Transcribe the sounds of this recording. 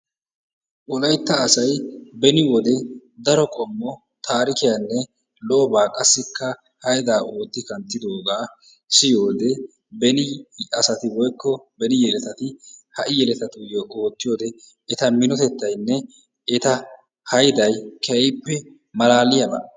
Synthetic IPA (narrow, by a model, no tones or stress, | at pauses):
wɔlɐjt̪ːɐːsɐjbɛnɪwɔd̪ɛd̪ɐɾɔkʼɔmːɔ | t̪ʰaːɾɪkɪjanːɛ | lɔʔɔbaːkʼɐsːɪkːɐ | hɐjd̪aːʔo̞ːt̪ːɪkɐnt̪ːɪd̪o̞ːɡaː | sɪjo̞ːd̪ɛ | bɛnɪɐsɐt̪ɪwɔjkːɔbɛnɪjɛlɛt̪ɐt̪ɪhɐʔɪjɛlɛt̪ɐt̪ʊjoʔoːt̪ːɪjo̞ːd̪ɛ | ɛt̪ɐmɪnɔt̪ɛt̪ːɐjnːɛ | ɛt̪ɐ | hɐjd̪ɐjkɛɛjpːɛ | mɐlaːlɪjɐbɐ̰